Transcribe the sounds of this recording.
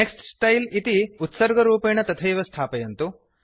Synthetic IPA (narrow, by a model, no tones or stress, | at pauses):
neksʈsʈɐjlit̪iut̪sɐɾɡɐɾuːpeːɳɐt̪ɐt̪ʰɐjʋɐst̪ʰaːpɐjɐnt̪u